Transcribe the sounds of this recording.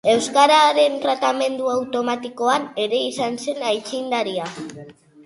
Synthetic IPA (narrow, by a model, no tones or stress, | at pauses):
e̞wskaɾaɾe̞nt̪ɾat̪ame̞nd̪uawt̪o̞mat̪iko̞ane̞ɾe̞isanse̞najt͡ʃind̪aɾia